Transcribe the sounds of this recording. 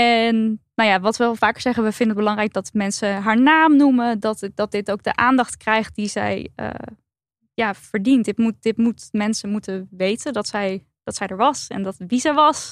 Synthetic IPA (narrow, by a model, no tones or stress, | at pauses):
ɛnnawjaːʋɑtʋəlˠfaːkəɹz̥ɛχənʋəvɪndənət̚bəlɑŋrɛjk̚dɑtmɛnsəɦaːɹnaːmnumədɑtd̥ɑt̚dɪtowk̚ɡ̚dəʔaːndɑχtkrɛjχt̚dizɛ̰jə̰ | jaːfəɹdintdɪtmut̚d̥ɪtmutmɛnsəmutəʋejtəndɑtsɛj | d̥ɑtsɛjdəɹʋɑsɛ̰ndɑtʋizɛjʋɑs